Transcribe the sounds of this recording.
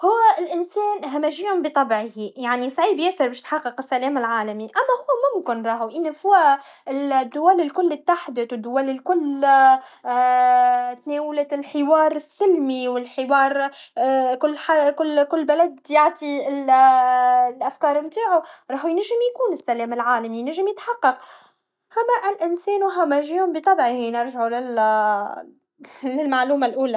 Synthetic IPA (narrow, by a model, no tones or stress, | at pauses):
hʊwːæɪlʔɪnsɛːnɦamæʒiːhʊmbɪt̪ˤɑbʕhijaʕnisˤɑʕiːbjæsɪɾˤbɛːʃt̪ħɑqːɨqɪsːalɛːmɪlʕaːlamiʔamːæhʊwːmʊmkɪnɾˤɑːhuʔɪnːifʊwaɪld̪ːʊwælɪlkʊlːɪt̪ːaħd̪ɪt̪wɪd̪ːʊwælɪlkʊlː | t̪nɛːwalalħɪwɑːɾˤɪsːɪlmiwɪlħɪwɑːɾˤ | kʊlːħakʊlːkʊlːbalad̪jaʕt̪ˤiɪl | lʔafkɑːɾˤmt̪aːʕʊɾˤɑːħʊjnaʒːɪmjkuːnɪsːælɛːmɪlʕaːlamijnaʒːɪmjɪt̪ħɑqːɑq | hamːæʔɪlʔɪnsɛːnwɦamːæʒiːʊmbit̪ˤɑbʕihinɪɾˤʒaʕulɪl | lɪlmaʕluːmalʔuːlæ